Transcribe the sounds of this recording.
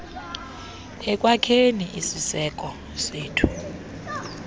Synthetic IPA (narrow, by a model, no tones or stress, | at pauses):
ɛkʼwakʰeniʔisisɛkʼɔ | seːtʰu̥